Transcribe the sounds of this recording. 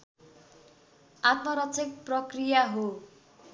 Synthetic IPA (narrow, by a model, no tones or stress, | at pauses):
at̪mʌɾʌt͡sʰek̚prʌkrijaɦo